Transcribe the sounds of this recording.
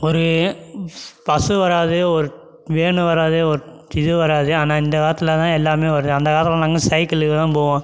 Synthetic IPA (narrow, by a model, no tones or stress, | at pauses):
ɔɾɯ | pɐsɯʋɐɾaːðɯɔɾɯ | ʋeːɳɯ̃ʋɐɾaːðɯɔɾɯ | ɪðɯʋɐɾaːðɯaːnaːɪnd̪ɐkaːɾɐt̪ːɪlɐt̪ãːɛlːaːmeːʋɐɾɯðɯɐnd̪ɐkaːɾt̪lɐ̃naːŋɡɐsɐɪkɐlɯkːɯt̪ãːpoːʋõː